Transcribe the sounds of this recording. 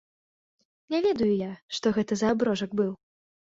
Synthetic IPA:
nʲɛvʲɛd̪ujujaʂt̪ɔɣɛt̪ɐzɐːbɾɔʐɐɡ̚bɨw

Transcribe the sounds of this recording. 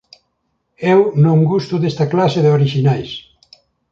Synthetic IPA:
ewnõŋɡust̪ʊðest̪ɐklaseðɪoɾiʃinajs

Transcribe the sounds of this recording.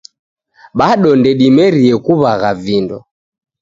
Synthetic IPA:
ɓaɗɔndɛɗimɛɾiɛkuβaɣavindɔ̰

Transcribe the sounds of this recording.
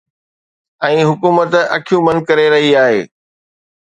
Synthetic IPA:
ɛ̃ːɦʊkuːmət̪ɐkʰijũmɐ̃nkɐɾeɾɐɦiaːɦeː

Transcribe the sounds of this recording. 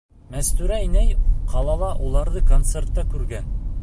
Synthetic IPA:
mæst̪ʉɾæinæjqʰɑlˠɑlˠɑʔulˠɑɾðɤkont̪sert̪ːɑkʉɾɡæn

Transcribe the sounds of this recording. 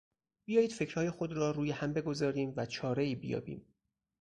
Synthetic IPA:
bijɒːjiːd̪̥fe̞cʰɾ̥hɒːje̞xod̪ɾɒːɾuːjehæmbe̞ɡo̞zɒːɾiːmvæt͡ʃʰɒːɾe̞iːbijɒ̰ːbḭːm

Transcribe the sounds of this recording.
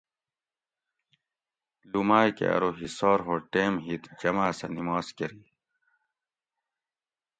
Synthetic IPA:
lumaːjkḛɐ̰ɾoɦisoːɾɦoːʈeːmɦit̪d͡ʑɐmaːsɐ̰nimaːskɐɾiː

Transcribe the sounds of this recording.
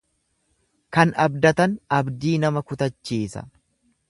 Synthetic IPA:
kɐnɐbd̪ɐt̪ɐnɐbd̪iːnɐmɐkʊt̪ɐt͡ʃːiːsɐ̰

